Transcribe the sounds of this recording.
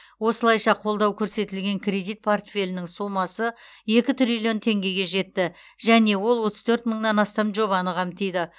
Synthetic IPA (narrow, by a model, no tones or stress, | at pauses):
wo̞səlˠɑjʃɑqʰo̞lˠd̪ɑwkʲʰɵɾse̞t̪ɪlɡʲe̞ŋkʲʰrʲe̞d̪ijt̪̚pʰo̞rt̪fʲe̞lʲɪnɪŋsumɑsə | e̞kʲɪt̪ʰʏɾilʲijo̞nt̪ʰe̞ŋɡʲe̞ɡʲe̞ʒe̞t̪ːɪ | ʒæne̞wo̞lˠwo̞t̪əz̥t̪ʰɵɾt̪məɴnɑnɑst̪ɑmʒoβɑnəʁɑmt̪ʰejd̪ɪ